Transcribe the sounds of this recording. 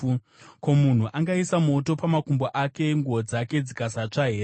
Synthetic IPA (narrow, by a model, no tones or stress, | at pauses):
ko̞mun̤uʔaŋɡaisamo̞to̞pamakumboʔake̞ŋɡuod͡zake̞d͡zikasat͡ʂaɦe̞ːɾe